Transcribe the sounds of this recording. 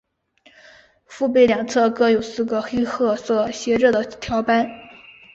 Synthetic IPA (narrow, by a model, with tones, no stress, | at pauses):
fu˥˧p̬e˥˩ɪljɑ˨˩ŋt͡sʰɤ˥˧kɤ˥jo˨˩ʊsɹ̩˥˩ɡə˩xe˥ɪxɤ˥˧sɔ˥˩ɕjɛ˧˥ʈ͡ʂɤ˥˩d̪ə˩t̪ʰjɑ˧˥ʊpa˥n